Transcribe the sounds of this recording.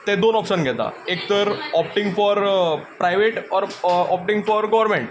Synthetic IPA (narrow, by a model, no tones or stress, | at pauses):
t̪ẽd̪onɔpʂənɡʱɛt̪a̰ek̚t̪əɾɔp̚ʈĩŋɡfɔɾpɾajʋeʈɔɾɔp̚ʈĩŋɡfɔɾɡɔʋəɾmẽɳʈ